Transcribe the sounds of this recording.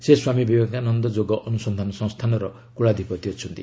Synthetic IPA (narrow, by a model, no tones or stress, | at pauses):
seswamibibakanɔnd̪ɔd͡ʒoɡɔʔɔnusɔnd̪ʱanɔsɔ̃ŋ̃st̪ʰanɔɾɔ | kuɭad̪ʱipɔt̪iɔt͡ʃʰɔnt̪i